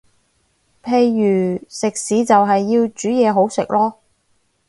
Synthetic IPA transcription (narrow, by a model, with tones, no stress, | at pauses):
pʰe˧jːyː˨˩sɪ˨k̚siː˨˥t͡sɐ˨wɦɐ˨jːiː˧wt͡ʃyː˨˥jɛː˨˧ɦo˨˥wsɪ˨k̚lɔː˥